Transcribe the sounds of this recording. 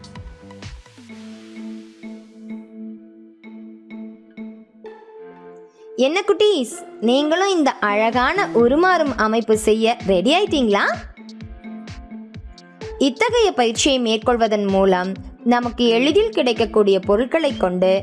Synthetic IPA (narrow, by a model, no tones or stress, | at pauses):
ɛnːɐkːʊʈːiːsniːŋɡɐɭʊ̃ɪnd̪ɐʔɐɻɐɣaːnɐʔʊɾɯmaːɾɯmɐmɐɪpːɯsɛjːɐɾɛɽɪaːjt̪ːiːŋɡɐɭaː | ɪt̪ːɐɣɐjɐpɐjɪɾt͡ʃːɪjɐɪmeːɾkɔɭʋɐðɐnmuːlɐmnɐmɐkːɯɛɻɯðɪlkɪɽɐɪkːɐkːuːɽɪjɐpɔɾɯɭkɐɭɐɪkːɔɳɖɯ